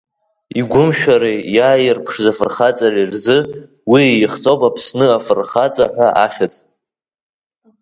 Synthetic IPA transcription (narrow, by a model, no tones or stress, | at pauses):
iɡʷʊmʃᶣaɾejaːjɪrpʰʂzafɨrχat͡sʼarirzɨ | wiejχt͡sʼowpʼapʰsnɨafɨrχat͡sʼaħʷᶣaʔaχʲɪt͡sʼ